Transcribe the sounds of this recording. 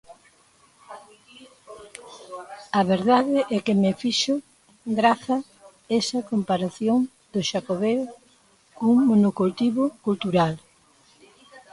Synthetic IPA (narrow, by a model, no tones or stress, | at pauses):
ɐβeɾðaðɪʔɛkɪmɪfiʃʊ | ɡɾaθɐ | ɛsɐkompaɾaθjoŋ | d̪ʊʃakoβe | kuŋmonokult̪iβʊkult̪uɾal